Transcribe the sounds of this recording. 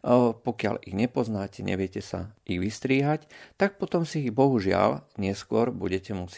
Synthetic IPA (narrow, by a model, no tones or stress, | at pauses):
pɔkɪa̰liɣɲɛpɔznaːcɛɲɛ̰ʋɪjɛcɛsa̰iɣʋist̪ɾiːɦact̪ak̚pɔt̪ɔmsibɔɦuʒɪa̰lɲɪɛskʊɔɾbuɟɛcɛmus